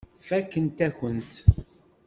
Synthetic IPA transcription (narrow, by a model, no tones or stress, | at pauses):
fækːənt̪æçənt̪